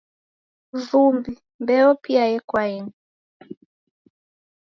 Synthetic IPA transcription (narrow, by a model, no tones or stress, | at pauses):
vumbi | mbɛɔpiajɛkwaɛnu